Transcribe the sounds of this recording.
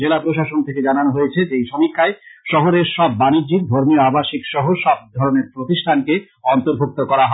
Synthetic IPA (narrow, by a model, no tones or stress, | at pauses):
d͡ʑelapɾoʃaʃont̪ʰeked͡ʑananoɦojet͡ɕʰed͡ʑejʃɔmikʰːaeʃɔɦoɾeɾʃɔbːanid͡ʑik̚d̪ʱoɾmijoabaʃikʃɔɦoʃɔb̚d̪ʱɔɾoneɾpɾot̪iʃʈʰanke | ɔnt̪oɾbʱuk̚t̪okɔɾaɦɔ